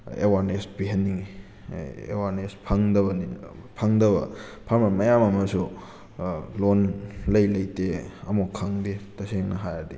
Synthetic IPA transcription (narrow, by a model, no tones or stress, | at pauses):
ḛwaɾnesbiɦenːiŋi | ḛwaɾnespʰaŋdɐbɐnipʰaŋdɐβɐ̰pʰaɾmɐmɐjamɐmɐsu | lonlɐjlɐjteɐmokʰaŋdetɐseŋnɐɦajadi